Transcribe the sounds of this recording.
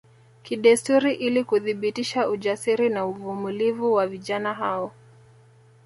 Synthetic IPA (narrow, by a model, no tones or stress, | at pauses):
kiɗɛstuɾiʔilikuðiɓitiʃauʄasiɾinauvumulivuwaviʄanaɦaɔ